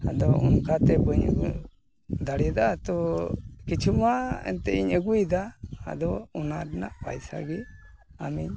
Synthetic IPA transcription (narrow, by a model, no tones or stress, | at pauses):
a̰d̪ɔṵnkat̪ɛbəɲə̰ɡu | d̪aɽid̪at̪ɔkit͡ʃʰumaɛ̰nt̪ɛiɲəɡujd̪a̰ːd̪ɔunaɾna̰ʔpa̰jsa̰ɡi | amiɲ